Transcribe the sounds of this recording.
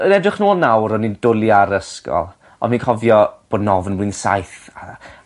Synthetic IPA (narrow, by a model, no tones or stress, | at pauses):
ənɛdrɪχnuːlˠnawɾɔnindʊlˠjaɾəskɔ̰lˠ | ɔ̰nminkʰɔvjɔb̥oːdnɔvnwlinsa̰jθa